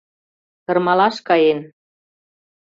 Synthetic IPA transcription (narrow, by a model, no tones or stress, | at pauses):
kɤ̆rmɑlɑʃkɑjen